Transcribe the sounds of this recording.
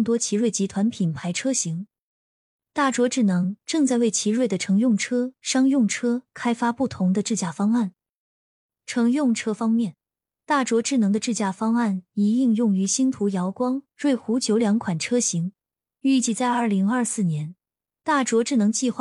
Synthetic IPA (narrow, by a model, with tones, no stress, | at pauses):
t̪̬wɔ˥t͡ɕʰi˧˥ɻwe˥˩ɪt͡ɕi˧˥t̪ʰwa˧˥npʰi˨˩npʰa˧˥ɪʈ͡ʂʰɤ˥ɕi˧˥ŋ | t̪a˥˩ʈ͡ʂwɔ˧˥ʈ͡ʂɻ̩˥˩nɤ˧˥ŋʈ͡ʂɤ˥˧ŋt͡sa˥˧ɪwe˥˩ɪt͡ɕʰi˧˥ɻwe˥˩ɪd̪ə˩ʈ͡ʂʰɤ˧˥ŋjʊ˥˩ŋʈ͡ʂʰɤ˥ʂɑ˥ŋjʊ˥˩ŋʈ͡ʂʰɤ˥kʰa˥ɪfa˥pu˥˩t̪ʰʊ˧˥ŋd̪ə˧ʈ͡ʂɻ̩˥˧t͡ɕja˥˩fɑ˥ŋa˥˩n | ʈ͡ʂʰɤ˧˥ŋjʊ˥˩ŋʈ͡ʂʰɤ˥fɑ˥ŋmjɛ˥˩n | t̪a˥˩ʈ͡ʂwɔ˧˥ʈ͡ʂɻ̩˥˩nɤ˧˥ŋd̪ə˧ʈ͡ʂɻ̩˥˧t͡ɕja˥˩fɑ˥ŋa˥˩ni˧˥i˥˧ŋjʊ˥˩ŋy˧˥ɕi˥nt̪ʰu˧˥jɑ˧˥ʊkwɑ˥ŋɻwe˥˩ɪxu˧˥t͡ɕjo˧˥ʊljɑ˧˥ŋkʰwa˨˩nʈ͡ʂʰɤ˥ɕi˧˥ŋ | y˥˧t͡ɕi˥˧t͡sa˥˧ɪɐ˞˥˩li˧˥ŋɐ˞˥˧sɹ̩˥˩njɛ˧˥n | t̪a˥˩ʈ͡ʂwɔ˧˥ʈ͡ʂɻ̩˥˩nɤ˧˥ŋt͡ɕi˥˧xwa˥˩